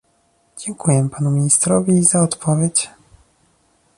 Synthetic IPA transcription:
d͡ʑɛŋkujɛpanumʲiɲist̪ɾɔvʲizaɔt̪pɔvʲjet͡ɕ

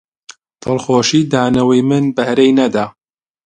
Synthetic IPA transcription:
t̪ʰɨlˠxoːʃiːd̪aːnɐwijmɨnbɐhɾejnɐd̪aː

